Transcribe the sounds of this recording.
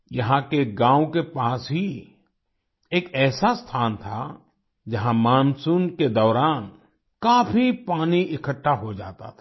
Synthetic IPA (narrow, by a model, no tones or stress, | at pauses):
jɐɦãkeɡãːw̃kepaːsɦi | eːkɛːsast̪ʰaːnt̪ʰa | d͡ʒɐɦãmãːnsunked̪ɔːɾaːn | kaːfʰipaːniʔɪkʰəʈʰːaɦod͡ʒa̰ːt̪a̰t̪ʰː